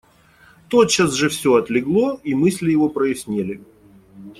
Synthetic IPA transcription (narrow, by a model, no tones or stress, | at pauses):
t̪ot̪t͡ɕasʐɨfsʲoɐt̪lʲɪɡlˠo̞imɨsʲlʲɪjɪvo̞pɾəɪsʲnʲelʲɪ